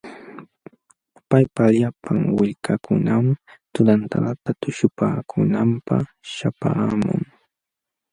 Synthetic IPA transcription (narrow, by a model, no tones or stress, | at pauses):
pajpaʎapaŋwɪʎkʰakʊnamt̪ʊd̪ant̪aɢat̪at̪ʊʃʊpaːkʰʊnampɑχ | ʃapaːmʊ̰ŋ